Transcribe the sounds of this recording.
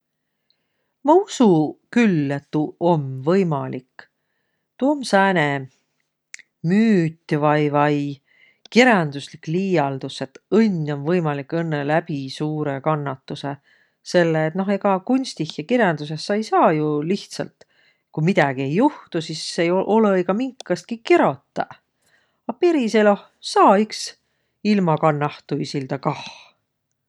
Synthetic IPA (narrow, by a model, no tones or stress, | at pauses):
mɑusukylːe̞t̪ːuʔo̞mvɤjmɑlikː | t̪umsæːne | myːt̪ʲːvɑjvɑj | kiɾjɑnd̪̥uslikːˑliːjɑld̪̥use̞t̪ɤnʲːo̞nvɤjmɑlikːˑɤnːelæpisuːɾe̞kɑnːɑt̪ːuse̞ | se̞lːeːt̪no̞ɦe̞ɡ̥ɑkunʲst̪ihjɑkeɾjɑnd̪̥us̬e̞sːɑjsɑːjuliht̪sɑ̰lt̪ | kujmid̪ɑɡ̥ie̞jːuht̪usisːejoʔo̞leeɡɑmiŋkːˑɑst̪̚kikeɾo̞t̪ːˑɑ̰ | ɑpeɾiseloh | sɑːiks | ilmɑkɑnːɑht̪uisild̪̥ɑkɑh